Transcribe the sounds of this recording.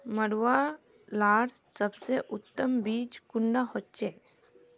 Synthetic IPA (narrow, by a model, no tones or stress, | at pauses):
məɽʋa | laːɽ | səbseʔʊt̪ːəmbiːt͡ʃkʊɳɖahott͡ʃe